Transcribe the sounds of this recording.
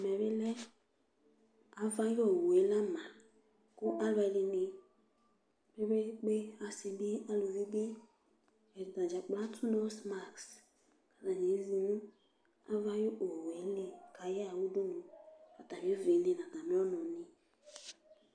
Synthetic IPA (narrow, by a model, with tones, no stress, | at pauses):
m˨ɛ˨be˦lɛ˦ | a˨va˦jɔ˦˨we˨˦la˦ma˨ | ku˦ʔa˦la˨˦le˧ne˨ | be˦be˦k͡pe˦a˨se˨bi˦a˦lo˨vi˦ɡ͡be˦ | ɛ˨da˨d͡ʒa˨k͡pla˦tʰu˦no˦sma˦˨ks | ka˨ta˨ɲe˨˦zi˨nũ˦ | a̰˦va˦jo˦ʔo˨we˨˦le˦ka˨ja˨wu˦du˦nũ˨a˨ta˨mi˨˦e˦ve˨˦ne˦˨nã˨ta˨mi˦ɔ˦nɔ˨ni˦